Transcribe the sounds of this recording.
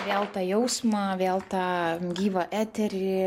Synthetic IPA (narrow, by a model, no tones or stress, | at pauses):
ʋʲeːlˠt̪ɑːjɛʊsmɑʋʲeːlˠt̪ɑːɡʲiːʋɐʔæːt̪ʲɛɾʲɪ